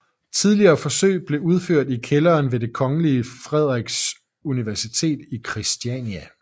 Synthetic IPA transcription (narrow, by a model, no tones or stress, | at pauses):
t͡sʰið̞ˠliɐːfɒ̽sø̰ɪ̰b̥le̝uð̞ˠføɐ̰d̥ikʰelɐːnʋe̝d̥e̝kʰɒ̽ŋəliəfʁɛð̞ˠʁɛɡ̥s | uniʋæɐsit͡sʰe̝̰ːd̥ikʰʁisd̥iɛ̰niæ